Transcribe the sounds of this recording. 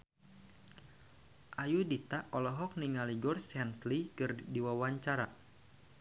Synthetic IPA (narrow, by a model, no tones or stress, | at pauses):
ʔajudit̪aʔɔlɔɦɔk̚niŋaliɡɔrsanslikɨrdiwawaɲt͡ʃaɾa